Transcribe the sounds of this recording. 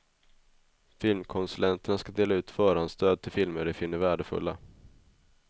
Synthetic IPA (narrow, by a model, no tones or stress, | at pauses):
fɪlmkʰɔnsɵlɛnt̪əɳaskad̪eːlaʉ̟ːt̪fœːɾanst̪ʰøːd̪̚t̪ʰɪlfɪlməɖɪfɪnːəɾvæːɖəfɵ̰lːa̰